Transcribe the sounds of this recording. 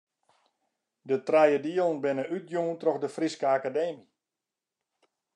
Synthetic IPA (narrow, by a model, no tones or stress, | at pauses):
dətrɛjədiəlˠən̩bɪnəʔyt̚juːntrɔxdəfriskəakadeːmi